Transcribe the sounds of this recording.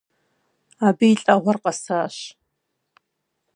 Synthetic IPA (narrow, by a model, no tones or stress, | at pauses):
aːbijɬʼɐʁʷɔrqɐsaːɕ